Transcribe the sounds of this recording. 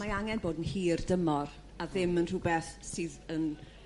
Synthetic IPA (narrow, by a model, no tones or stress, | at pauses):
maaŋɛnboːdənhiːrdəmɔr | aðɪmənr̥uːbɛθsɨːðən